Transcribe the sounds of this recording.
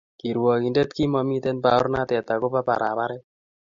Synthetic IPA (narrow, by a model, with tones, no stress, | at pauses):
ki˨ɾwɔ˨ki˨nde˦t̪ki˦mɔ˧mi˦t̪ɛ˦npa˨ɔ˦ɾna˦t̪ɛ˨t̪a˨ko˦pa˦pa̰˨ɾʔa̰˨ba˦ɾɛ˦